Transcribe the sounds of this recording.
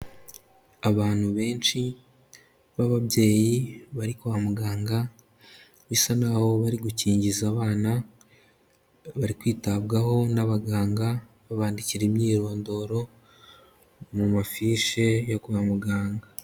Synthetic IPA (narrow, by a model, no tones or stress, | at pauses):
aβaːn̥huβe̞ːnt͡ʃi | βaβaβɟe̞ːjiβaɾikuβamuɡaːŋɡa | βisanaho̞βaɾiɡuciːɲɟizaβaːna | βaɾikwiːtabɡaho̞naβaɡaːŋɡa | βaβaːndiciɾemɲiːɾo̞ːndo̞ɾo̞ | mumafiːʃe̞jo̞kuβamuɡaːŋɡa